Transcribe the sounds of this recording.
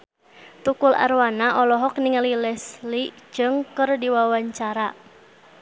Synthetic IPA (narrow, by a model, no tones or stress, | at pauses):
t̪ukula̰rwanaʔɔlɔɦɔk̚niŋlilɛsli̥d͡ʒɨŋkɨrdiwawaɲt͡ʃaɾa